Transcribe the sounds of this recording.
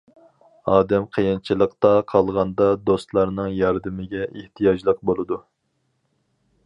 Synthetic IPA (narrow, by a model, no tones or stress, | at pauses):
ɑːd̪ɛmqʰəjɪnt͡ʃʰilˠəqt̪ɑqʰɑlˠʁɑnd̪ɑd̪ost̪lˠɑɾnɨŋjɑɾd̪ɨmɪɡʲɛeht̪ʰijɑd͡ʒlˠəq̚bolˠɨd̪u